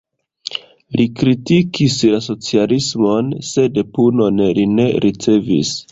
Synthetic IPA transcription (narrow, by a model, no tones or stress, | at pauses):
lʔikɾitikislaso̞t͡sialismo̞nse̞de̞puno̞nline̞ɾʔit͡se̞vḭs